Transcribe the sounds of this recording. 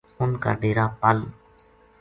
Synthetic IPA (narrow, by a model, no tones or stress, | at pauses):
ʊnkə̰ɾɖ̪eːɾaːpəl